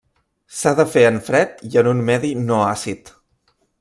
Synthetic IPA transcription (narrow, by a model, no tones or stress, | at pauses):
saðəfeəɱfɾɛt̪̚iənunmɛðinoasit̪